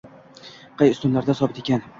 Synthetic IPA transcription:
qʰɑjʊst̪ʊnlaɾd̪asɒbɪt̪ʰekʲan

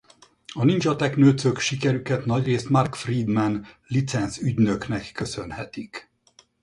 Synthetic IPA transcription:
ɒnint͡ʃɒt̪ɛknøːt̪søkʃikɛɾykɛt̪nɒɟreːst̪markfriːd̪mɛnlit̪sɛnzyɟnø̞knɛkːø̞sø̞nhɛt̪ik

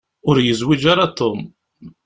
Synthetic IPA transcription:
ʊɾjəzwid͡ʒaɾat̪om

